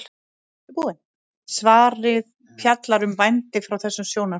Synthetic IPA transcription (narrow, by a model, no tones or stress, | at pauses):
puðɪn | svaːɾɪð | pʰjat̪laɾʏmvajnt̪ɪfɾawθɛsːʏmsjoːwna